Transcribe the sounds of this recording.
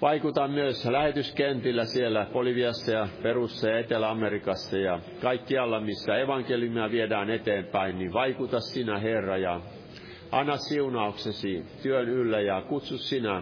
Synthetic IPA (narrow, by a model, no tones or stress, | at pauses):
ʋɑikut̪ɑmmyøslæhet̪yskent̪ilːæsielːæpolyʋiɑsːɑjɑperusːɑjɑet̪elæɑmerikɑsːɑjɑ | kɑikːiɑlːɑmisːæeʋɑŋkeljumiɑʋiedæːnet̪eːmpæinniʋɑikut̪ɑssinæherːɑjɑ | ɑnːɑssiunɑuksesit̪yønylːæjɑkut̪sussinæ